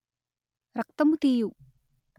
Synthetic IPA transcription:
ɾɐk̚t̪ɐmut̪iju

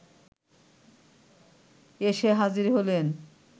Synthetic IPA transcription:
eʃeɦad͡ʑiɾɦolen

